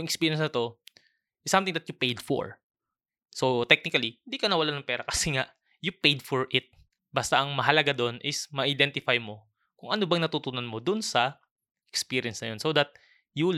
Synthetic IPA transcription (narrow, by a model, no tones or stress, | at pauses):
jʊŋʔɛkspiːɹjɛnsnɐt̪o̞ | ʔɪsːɐmt̪ɪŋd̪ɐt̪jʊpejd̪fo̰ɹ | sot̪ɛk̚nɪkɐlihɪ̃nd̪ikɐnɐwɐlanɐŋpɛːɾɐkɐsɛŋaʔ | jʊpejd̪foɹʔɪt̪̚ | bast̪aʔɐŋmɐɦɐlɐɡad̪oʔnʔɪsmɐʔɐjd̪ɛnt̪ɪfajmo̞ | kʊŋʔɐnobɐŋnɐt̪ut̪unɐnmo̞d̪ʊnsɐ | ʔɛkspiːɾɪɐnsnɐ̰jo̞nsowd̪ɐt̪̚ | ju